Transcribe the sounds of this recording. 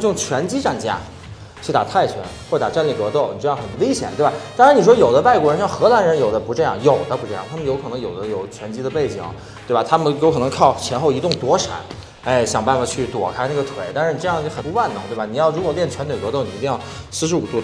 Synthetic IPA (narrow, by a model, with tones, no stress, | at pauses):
jʊ˥˩ŋt͡ɕʰɥɛ˧˥nt͡ɕi˥ʈ͡ʂa˥˩nt͡ɕja̰˥ | t͡ɕʰy˥˩t̪a̰˨˩t̪ʰa˥˩ɪt͡ɕʰɥɛ̰˧˥nxwɔ˥˩˧t̪a̰˨˩ʈ͡ʂa˥˧nli˥˩kɤ˧˥t̪o˥˩ʊni˨˩ʈ͡ʂɤ˥˧jɑ˥˩xə˨˩nwe˥ɪɕjɛ˨˩nt̪wba˨˩t̪a˥ŋʂɻ̩˧˥n˨˩ʂwɔ˥jo˨˩ʊd̪ə˦pa˥˩ɪkwɔ˧˥ɻə˧˥nʂjɑ˥˩xɤ˧˥la˧˥nɻə˧˥njo˨˩ʊd̪ə˦pu˧˥ʈ͡ʂɤ˥˧jɑ̰˥˩ŋjo˨˩ʊd̪ə˦pu˧˥ʈ͡ʂɤ˥˧jɑ̰˥˩ŋt̪ʰa˥mə˨njo˧˥ʊkʰɤ˨˩nɤ˧˥ŋjo˨˩ʊd̪ə˦jo˨˩ʊt͡ɕʰɥɛ˧˥nt͡ɕi˥d̪ə˧pe˥˩ɪt͡ɕḭ˨˩ŋ˦ | t̪we˥˩ɪba˨˩t̪ʰa˥mə˨jo˧˥ʊkʰɤ˨˩nɤ˧˥ŋkʰɑ˥˩ʊt͡ɕʰjɛ˧˥nxo˥˩ʊi˧˥t̪ʊ˥˩ŋt̪wɔ˧˥ʂa̰˨˧˩n | e˥˩ɪɕjɑ˨˩ŋpa˥˩nfa˨˧t͡ɕʰy˥˩t̪wɔ̰˨˩kʰa˥ɪna˥˩ɡə˩t̪ʰwe˨˩˦ɪt̪a˥˧nʂɻ̩˥˩i˩ʈ͡ʂɤ˥˧jxə˨˩pu˥a˥˩nʊ˧˥ŋt̪we˥˩ba˩ni˨˩jɑ˥˩ʊɻu˧˥kwɔ˨˩ljɛ˥˩nt͡ɕʰɥɛ˧˥nt̪we˨˩kɤ˧˥t̪o˥˩ʊni˨˩˧t̪i˥˧jɑ˥˩ʊsɹ̩˥˧ʂɻ̩˧˥u˨˩t̪u˥˩